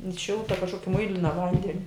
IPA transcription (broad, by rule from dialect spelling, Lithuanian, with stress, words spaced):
ɪn ˈʃʲɪlˠtɐ kɐʃˈkoːkʲɪ ˈmʊɪlʲɪnɐ ˈʋɐnʲdʲɛnʲɪ